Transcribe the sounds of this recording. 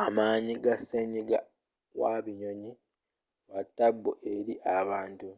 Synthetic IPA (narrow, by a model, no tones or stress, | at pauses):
amaːɲiɡasːeɲiɡa̰ | waβiɲo̞ɲi | watːabːuʔeɾiʔaβaːntu